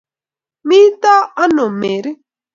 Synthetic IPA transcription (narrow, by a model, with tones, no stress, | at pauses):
mĩ˦t̪a˦a˦nõ˨me˨ɾ